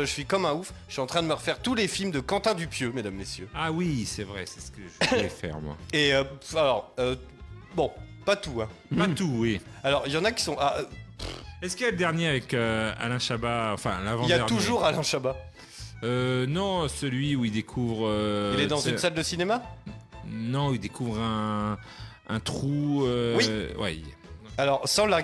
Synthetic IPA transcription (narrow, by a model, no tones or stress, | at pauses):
ʒəsɥikɔmɛ̃ufʃɥiɑ̃t̪χɛ̃d̪əməʁəfɛʁt̪ulefilmd̪əkɑ̃t̪ɛ̃d̪ypjømed̪amːesjøawisɛvʁɛsɛ̥sə̥kəʒəvlɛfɛ̰ʁmwa̰eøalɔʁø | bɔ̃pat̪uɛ̃ | pat̪uwi | alɔʁjɑ̃nakʲi̥sɔ̃ʔapɛskilaləd̪ɛʁnjeavɛkøa̰lɛ̃ʃabaɑ̃fɛ̰̃lavɑ̃daɛʁt̪uʒuʁalɛ̃ʃaba | ønɔ̃səlɥiuild̪ekʰuvʁøilɛd̪ɑ̃zynnsald̪əsinema | nɔ̃ild̪ekʰuvʁɛ̃ | ɛ̃t̪χuøwiwḭalɔʁsɑ̃laʁ